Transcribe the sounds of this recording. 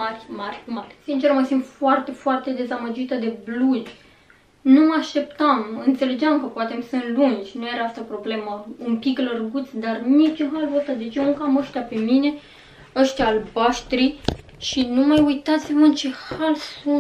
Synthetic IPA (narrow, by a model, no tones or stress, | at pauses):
arʲmarʲmarʲsint͡ʃerməsimt̪foart̪e̞foart̪e̞d̪e̞zaməd͡ʒit̪əd̪e̞bluʒʲ | numəaʃt̪e̞pt̪amɨnt̪se̞le̞d͡ʒamkəpoat̪emsɨnlund͡ʒʲnujeɾeast̪apɾo̞ble̞məumpiklərɡut̪sʲd̪arnit͡ʃunxalvot̪ad̪et͡ʃeuŋkaməʃt̪ʲjape̞mine̞ | əʃt̪jaːlbaʃt̪ɾi | ʃinumajujt̪at̪sʲivənt͡ʃe̞xalsu